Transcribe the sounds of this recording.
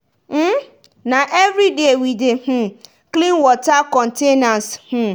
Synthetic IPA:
m̩ | nãʔevɾidewidehũ | klĩnwɔtakɔ̃ntenãnshũ

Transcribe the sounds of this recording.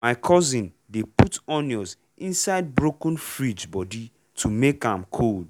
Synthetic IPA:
maɪkʰɔzĩn | deputɔnjɔz | ĩnsaɪd̚bɹokə̃n̩fɹid͡ʒbɔdi | tʰumekãmkʰold

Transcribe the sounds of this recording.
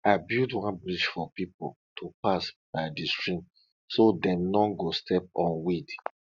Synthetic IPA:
abildwãnbɹiʃfɔpipo̰l | tʰupasb̥aɪdistɹĩm | sodɛ̃mnɔɡostʰɛp̚ɔ̃nwid

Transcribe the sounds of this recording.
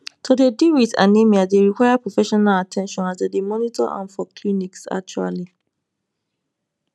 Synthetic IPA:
tʰodediɹitã̰nːẽmiadeɹikwajapɹofɛʃɔnalatʰɛ̃nʃɔ̃nazdademɔnitɔ̰ʔã̰nfɔkliniksa̰k̚t͡ʃua̰li

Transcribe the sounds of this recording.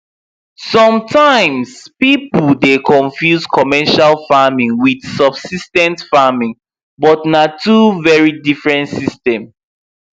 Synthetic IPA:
sɔ̃mtʰãɪ̃mspipl̩dekʰɔ̃nfjuzkʰɔmɛʃalfamĩŋwidsɔb̥sistɛ̃ntfamĩŋ | bɔtnatʰuvɛɹidifɹɛ̃ntsistɛ̃m

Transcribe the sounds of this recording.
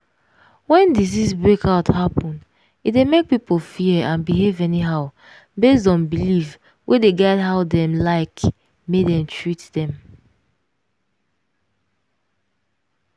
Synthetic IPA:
wɛ̃ndizizbɹekʰaʊthapɔ̃nd | itdemek̚pipol̩ˠfiəãnbiɦevɛniɦaʊ | bes̬dɔ̃nbiliv | wʔedeɡɛtɦaʊdɛ̃mlaɪk | medɛ̃mtʰɹitdɛ̃m

